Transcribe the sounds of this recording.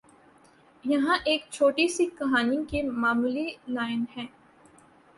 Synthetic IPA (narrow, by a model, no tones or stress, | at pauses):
jɐɦãʔeːk̚t͡ʃʰoːʈisikɐɦaːniõkemaːmuːlilaːɪnɦɛ̃ː